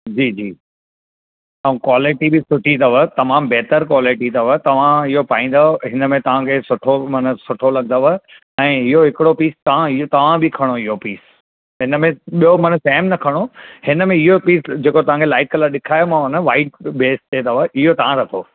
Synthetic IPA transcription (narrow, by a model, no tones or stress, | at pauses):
d͡ʑiːd͡ʑiː | ɐũkwaːlɪʈibɪsʊʈʰit̪ɐʋət̪ɐmaːmbɛɦt̪əɾkwaːlɪʈit̪ɐʋət̪ɐʋ̤ãɪɦopaːĩːn̆d̪aɦɪnəmẽt̪ɐʋ̤ãkʰeːsʊʈʰomɐnə̆sʊʈʰolɐɡd̪aʋə | ɛ̃ːɪɦoɦɪkɪɽopiːst̪ɐʋ̤ãɪɦot̪ɐʋ̤ãbʱikʰɐɽ̃oɪɦopiːs | ɦɪnə̆mẽɓijomɐnəsɛːmnɐkʰɐɽ̃ohɪnəmẽɪɦopiːsd͡ʑeːkot̪ɐʋ̤ãːkʰelaːɪʈ̚kɐləɾɗɪkʰaːjomãʊnəʋaːɪʈ̚beːst̪eːt̪ɐʋəʔɪɦot̪ɐʋ̤ãɾɐt̪ʰoː